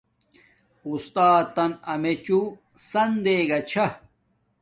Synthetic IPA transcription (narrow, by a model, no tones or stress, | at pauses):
ust̪aːt̪ːɐnɐmet͡ɕu | sɐnd̪eːɡɐt͡ɕʰɐ